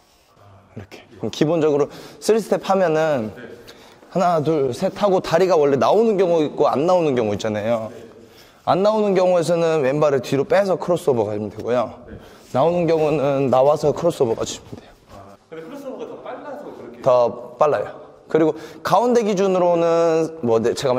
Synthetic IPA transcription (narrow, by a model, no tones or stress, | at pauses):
iɾʌkʰe̥kkibond͡ʑʌɡɯɾosʰɯɭsʰɯ̥tʰepʰamjʌnɯn | hanaduɭsʰe̞tʰaɡotaɾiɡawʌɭːe̞naonɯnɡjʌŋuik͈oa̰nːaonɯnkjʌŋuit̚t͡ɕ͈anajo | anːaonɯnɡjʌŋue̞s̬ʰʌnɯnwe̞nbaɾɯɭtiɾop͈e̞sʰʌkʰɯɾʌs͈uʌbʌkad͡ʑimɲidaɡojo | naonɯnɡjʌŋunɯnːawasʰʌkʰɯɾʌs͈ʌbʌk͈a̰d͡ʑui̥mɲideo | tʌp͈aɭːajo | kɯɾiɡokaonde̞ɡid͡ʑunɯɾonɯnmwʌdet͡ɕe̞ɡam